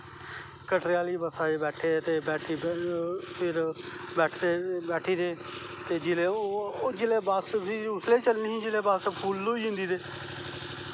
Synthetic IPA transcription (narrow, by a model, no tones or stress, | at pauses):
kəʈɾɪjaːliːbəsaːeːbɛːʈʰeːt̪eːbɛːʈʰiː | pʰɪɾbɛːʈʰd̪eːbɛːʈʰiːd̪eː | t̪eːd͡ʒɪleːod͡ʒɪleːbaːssiːʊsleːt͡ʃəlniːɦĩːd͡ʒɪleːbaːspʰuːlːoːiːɦɪ̃nd̪iːd̪eː